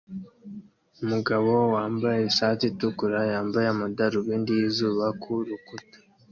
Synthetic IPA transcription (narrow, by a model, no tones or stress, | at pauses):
umuɡaβo̞waːmbajeʃaːtitukuɾajaːmbajemudaɾuβiːndijizuːβakʰuɾukutḁ